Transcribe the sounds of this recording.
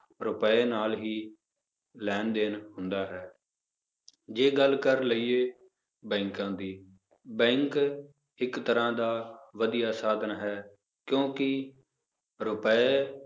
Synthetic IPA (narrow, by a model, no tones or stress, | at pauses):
ɾʊpəeːnaːlɦiː | lɛːnd̪eːnɦʊnd̪aːɦɛː | d͡ʒeːɡəlkəɾləiːeː | bɛ̃ːŋkãːd̪iː | bɛ̃ːŋk | ɪkt̪əɾãːd̪aːʋəd̪ijaːsaːd̪ənɦɛː | kjõːkɪ | ɾʊpeː